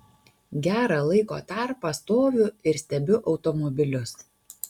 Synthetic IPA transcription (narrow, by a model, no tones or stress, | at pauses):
ɡʲæːɾɑlˠɐɪko̰ːt̪ɑˑɾpɐst̪oːʋʲʊɪɾsʲt̪ʲɛbʲʊʔɒʊt̪ɔmɔbʲɪlʲʊs